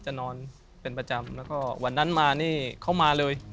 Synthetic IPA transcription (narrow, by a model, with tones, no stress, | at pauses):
t͡ɕa˨˩nɔː˧n | pe˧npɾa˧t͡ɕa˧mlɛː˦˥wkɔː˥˩wa˧nːa˦˥nmaː˧niː˥˩kʰa˦˥˩wmaː˧lɤː˧j